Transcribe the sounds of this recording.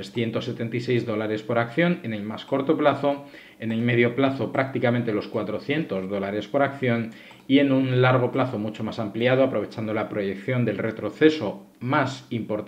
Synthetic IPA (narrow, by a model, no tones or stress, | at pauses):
sθje̞nt̪o̞sːe̞t̪e̞nt̪aijse̞jzðo̞laɾe̞spo̞ɾakθjo̞ne̞ne̞lmasko̞ɾt̪o̞plaθo̞ | e̞ne̞lme̞ð̞jo̞plaθo̞pɾak̚t̪ikamẽ̞nt̪e̞lo̞skwat̪ɾo̞θje̞nt̪o̞zðo̞laɾe̞spo̞ɾakθjo̞n | ie̞nunlaɾɣ̞o̞plaθo̞mut͡ʃo̞masampliað̞oapɾo̞β̞e̞t͡ʃand̪o̞lapɾo̞je̞kθjo̞nd̪e̞lre̞t̪ɾo̞θe̞so̞ | masimpo̞ɾt̪